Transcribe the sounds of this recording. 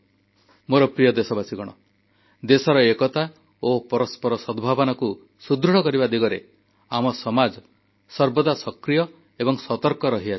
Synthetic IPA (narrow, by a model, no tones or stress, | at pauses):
moɾɔpɾijɔd̪esɔbasiɡɔɽ̃ɔ̰ | d̪esɔɾɔekɔt̪a | opɔɾɔspɔɾɔsɔd̪bʱabɔnaku | sud̪ɾuɽɔkɔɾibad̪iɡɔɾe | amɔsɔmad͡ʒɔ | sɔɾbɔd̪asɔkɾijɔ | ebɔŋsɔt̪ɔɾkɔɾɔɦia